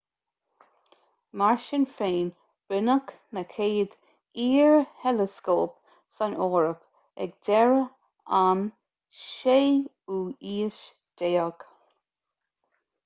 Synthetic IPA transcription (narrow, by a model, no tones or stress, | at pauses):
maɹʃɪnfeːn | b̥ɪnək | nəkʰeːd̪ | iːɹhɛləskoːp | sanɔːɹəp | ɛ̰ɡd̪ɛɹə | an | ʃeː | uːiːʃ | d̪̥eːəɡ̥